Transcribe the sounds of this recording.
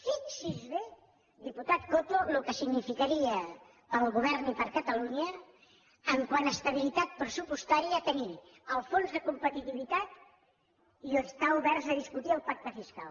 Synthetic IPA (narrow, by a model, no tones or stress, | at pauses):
siksizβe | d̪iput̪at̪̚kot̪olukəsiɡnifikaɾiə | pəlˠɣuβ̞ɛɾnipəɾkət̪əluɲəː | ŋkwanəst̪əβ̞ilit̪at̪̚pɾəsupust̪aɾiət̪əniɾ | əlˠfonzðəkumpət̪it̪iβit̪at̪ | iəst̪auβɛɾzəð̞iskut̪iəlˠpak̚t̪əfiska̰l